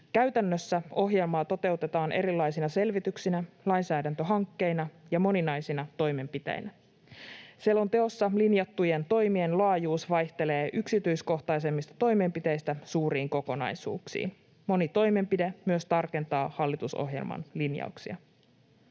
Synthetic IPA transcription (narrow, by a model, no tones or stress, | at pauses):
kæɥt̪ænːøsːæo̞ɦje̞lmɑːt̪o̞t̪e̞uwt̪e̞t̪ɑːnʔe̞ɾilːɑjsinɑse̞lʋit̪yksinælɑjnsæːdænt̪øɦɑŋkːe̞jnɑjɑmo̞ninɑjsinɑt̪o̞jme̞mpit̪ḛjnʔæ | sielo̞nt̪e̞o̞sːɑlinjɑt̪ːuje̞nt̪o̞jmie̞nlɑːjuːsʋɑjht̪e̞le̞ːʔyksit̪yjsko̞ht̪ɑjs̬e̞mːist̪ɑ̥t̪o̞jme̞mpit̪e̞jst̪æsuːɾiːŋko̞ko̞nɑ̰jsṵːksḭːn | mo̞nit̪o̞jme̞mpidemyøst̪ɑrke̞nt̪ɑːhɑlːit̪uso̰ɦjḛlmɑ̰nlinjɑ̰uksḭɑ̰